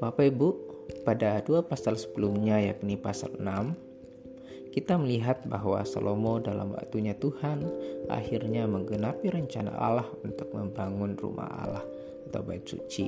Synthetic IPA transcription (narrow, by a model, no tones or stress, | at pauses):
papaibuʔpadaduapasalsə̥puluŋɲajak̚nipasa̰lənam | kit̪aməliɦat̪̚baɦwa̰sa̰lʔomɔdala̰mwa̰t̪uɲat̪uhanʔa̰hirɲaməŋɡənapiɾəɲt͡ʃana̰ʔa̰lahunt̪ʊk̚məmbaŋʊnrṵmʔa̰ha̰lah | at̪awbait̪sṵt͡ʃi